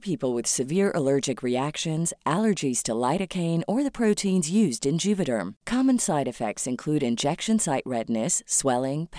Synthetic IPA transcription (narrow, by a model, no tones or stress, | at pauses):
pʰipl̩ˠwɨð̥sɨvɪɹʔə̰lɜ˞d͡ʒɨkɹiækʃɨ̃nzʔælˠə˞d͡ʒiz̥tʰəlaɪɾɨkʰẽɪ̃nə˞ðɨpʰɹ̥oʊtʰĩnzjʉzdɨ̃nd͡ʒʉvɨɾə̰̃˞mkʰɑmɨ̃nsaɪɾɨfɛk̚tsɨ̃nkʰl̥ʉɾɨ̃nd͡ʒɛkʃɨ̃nsaɪʔɹɛdⁿnɨswɛlˠɪ̃ŋpʰ